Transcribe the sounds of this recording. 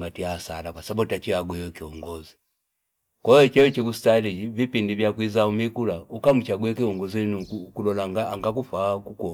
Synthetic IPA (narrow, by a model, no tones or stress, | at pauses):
ŋɡatiaːsa̰lakwasabutat͡ʃiaɡwɛwɛkiɔŋɡɔzi | kɔɔt͡ʃɛɔt͡ʃikusi̥talivipindivjakwizaumikulaukamut͡ʃaɡwɛkiɔŋɡɔzinuukulɔlaŋɡaːŋɡakufakukɔ